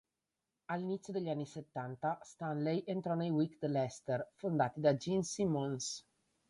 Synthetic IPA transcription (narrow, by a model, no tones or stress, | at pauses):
alːinit̪sʲːjod̪eʎːanːiset̪ːant̪ast̪anlɛjʔent̪ɾɔnejwikd̪lɛst̪erfond̪aːt̪id̪ad͡ʒinsimons